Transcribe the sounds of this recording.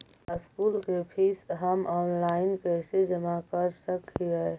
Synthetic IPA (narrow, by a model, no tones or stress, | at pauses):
ɪskuːlkepʰiːsɦəmɔːnlaːɪnkɛːsed͡ʒəmakəɾsəkiɦɛː